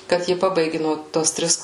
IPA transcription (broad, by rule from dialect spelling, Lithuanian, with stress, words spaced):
kɐt ˈjɪ ˈpɑːbɐɪɡʲɪ nuɔ ˈtoːs ˈtʲrʲɪs